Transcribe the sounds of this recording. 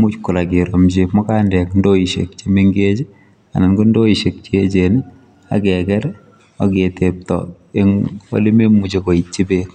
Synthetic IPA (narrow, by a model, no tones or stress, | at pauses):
mut͡ʃkuɾakeɾomt͡ʃemɔkandɛkndoiʃḛk̚t͡ʃemeŋɡet͡ʃ | a̰nɪnɡondoiʃek̚t͡ʃet͡ʃen | a̰kɛkɛɾ | ɔketep̚tɔ̰ | eŋwo̰lememut͡ʃekoit͡ʃibek